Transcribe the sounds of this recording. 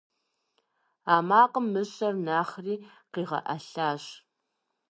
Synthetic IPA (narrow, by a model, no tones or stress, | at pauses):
aːmaːqəmːɨɕʼɐrnaːχriː | qiːʁɐ̰ʔɐɬaːɕ